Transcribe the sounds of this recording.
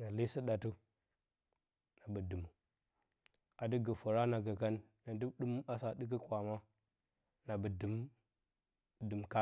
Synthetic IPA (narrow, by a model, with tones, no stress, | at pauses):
na˨li˦si˦ɗa˨tu˦ | na˨bə˨du˨mu˨ | a˨di˦ɡə˨fu˨ɾa˦na˨ɡə˨ka˦n | na˨du˦ɗu˦ma˦sa˨di˦k̬ə˦kwa˨ma˦ | na˨bə˨də˨m | də˨mka˦